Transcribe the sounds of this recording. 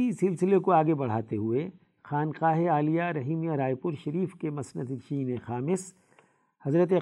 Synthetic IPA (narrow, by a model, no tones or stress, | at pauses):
isɪlsɪlekoaːɡebɐɽ̤a̰ːt̪eɦue | xaːnqaːɦeaːlijaɾɐɦiːmijaɾaːjpʊɾʃɐɾiːfkemɐsnəd̪t͡ʃiːnexaːmɪs | hɐzɾət̪̬e